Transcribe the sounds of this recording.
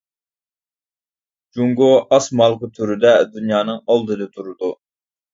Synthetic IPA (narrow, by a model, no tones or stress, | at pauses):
d͡ʒuŋɡoʔɑsmɑlˠqʊt̪ʰyɾyd̪ɛd̪ynjɑːnɨŋɑlˠd̪ɨd̪ɨt̪ʰuɾud̪u